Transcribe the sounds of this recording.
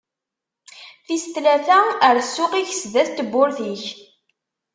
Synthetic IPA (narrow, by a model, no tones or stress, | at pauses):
θist̪læθæəɾsːʊqiçsðæθt̪ːəbːʊɾθiç